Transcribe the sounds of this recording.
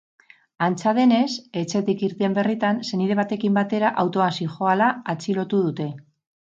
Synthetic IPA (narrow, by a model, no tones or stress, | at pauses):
ant͡sað̞e̞ne̞se̞t͡se̞t̪ikiɾt̪embe̞rit̪anse̞nið̞e̞β̞at̪e̞kimbat̪e̞ɾaʔawt̪o̞asiʝo̞alaːt͡silo̞t̪uðut̪e̞